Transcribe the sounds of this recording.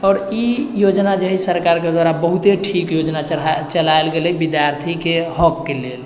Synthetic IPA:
ɔːɾijod͡ʒnad͡ʒəɦisəɾkaɾked̪waɾabəɦut̪eʈʰikjod͡ʒnat͡ʃəlaelɡeləbid̪jaɾt̪ʰikeɦɔkːelel

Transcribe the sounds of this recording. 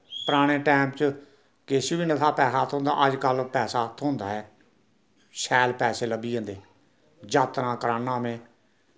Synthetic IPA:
pəɾaːɽ̃eːʈɛːmpt͡ʃ | keːsiːbiːnət̪ʰaːpɛːsaːt̪ʰõːnd̪a̰ːʔəd͡ʒkəlpɛːsaːt̪ʰoʊnd̪a̰ːɛː | sɛːlpɛːseːləbiːə̃nd̪eː | d͡ʒaːt̪ɾãːkəɾaːnːãːmẽː

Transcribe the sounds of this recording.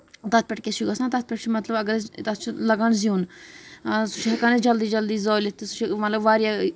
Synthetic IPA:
t̪ɐt̪̚ʰpʲɛʈkesuɡasãːt̪ɐt̪̚ʰpʲeʈt͡ʃʰimɐt̪ləbɐɡəɾt̪ɐt̪t͡ʃʰlɐɡəɳzijuːn | sʊ̥t͡ʃʰɦɐkaned͡ʒɐld̪iːd͡ʒɐld̪iːzoːlit̪ːsʊ̥t͡ʃʰimɐt̪ləbʋaːɾjaː

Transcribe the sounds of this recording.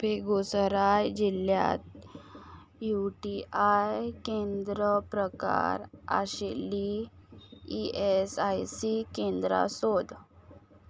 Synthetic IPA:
bʱeɡusəɾajd͡ʑilja̰t̪̚ | juʈiajkẽnd̪ɾəpɾəka̰ɾa̰ɕelːi | iesajsikẽnd̪ɾa̰sod̪

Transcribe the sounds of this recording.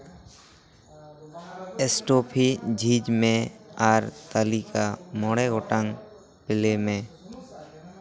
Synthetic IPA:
esʈoːpʰid͡ʒʱiːd͡ʒmẽaɾt̪əlikamoːɽeɡoːʈəŋ | pɪlemẽː

